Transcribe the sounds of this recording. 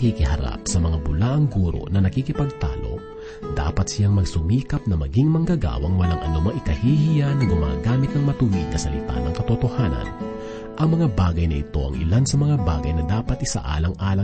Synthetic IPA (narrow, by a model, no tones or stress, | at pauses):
kikɪhɐɾa̰p̚sɐmɐŋabʊlaːʔɐŋɡuːɾo̞̰nɐnɐkiːkɪpɐɡ̚t̪a̰ːlo̞̰ | d̪a̰ːpɐt̪sɪjaŋmɐɡsʊmiːkɐp̚nɐmɐɡiŋmɐŋɡɐɡa̰ːwɐŋwɐlaŋʔɐ̰nomɐŋʔɪkɐhiːhijanɐɡʊma̰ːɡaːmɪt̪̚nɐŋmɐt̪ʊwid̪̚kɐsɐlɪ̰t̪a̰nɐŋkɐt̪ot̪o̞haːnɐ̰n | ʔɐŋmɐŋabaːɡɐjnɐʔɪ̰t̪o̞̰ʔɐ̰ŋɪ̰lansɐmɐŋaba̰ːɡɐjnɐd̪aːpɐt̪̚ʔɪsa̰ʔa̰ːlɐŋʔaːlɐ